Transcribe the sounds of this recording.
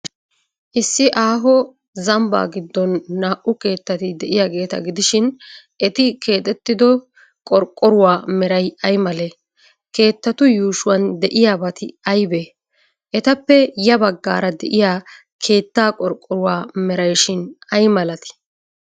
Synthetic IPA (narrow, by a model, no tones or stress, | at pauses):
ʔɪsːɪʔaːɦɔ | zɐmba̰ːɡɪd̪ːɔnːaːʔʊke̞ːt̪ːɐt̪ɪd̪ɛʔɪjaːɡe̞ːt̪ɐ̰ɡɪd̪ɪʃɪn | ʔɛt̪ɪkʰe̞ːt̪ʼɛt̪ːɪd̪ɔ | kʼɔɾkʼːɔɾʊwaːmɛɾɐjɐjmɐle | ke̞ːt̪ːɐt̪ʊjuːʃʊwɐnd̪ɛʔɪjaːbɐt̪ɪ̰ɐjbe | ʔɛt̪ɐpːɛjɐbɐɡːa̰ːɾɐd̪ɛʔɪjaː | kʰe̞ːt̪ːaːkʼɔɾkʼːɔɾʊwaːmɛɾɐjʃɪnɐjmɐlɐt̪ɪ̥